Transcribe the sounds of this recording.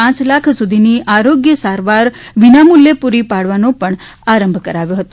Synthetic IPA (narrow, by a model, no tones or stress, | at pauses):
ãt͡ʃlakʰsud̪ʱiniʔaɾoɡjəsaɾʋaɾʋinamuljepuɾipaɽ̤ʋanopəɳaɾəmbʱkəɾaʋjoɦət̪o